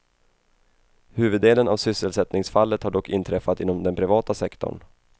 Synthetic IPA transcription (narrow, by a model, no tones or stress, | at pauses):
hʉ̟ːvɵd̪ːeːlənavsʏsːəlsɛt̪nɪŋsfalːət̪haɖɔkːɪnt̪ʰɾɛfːat̪ɪnːɔmd̪ɛnpʰɾɪvɑːt̪asɛkt̪ɔ̰ɳ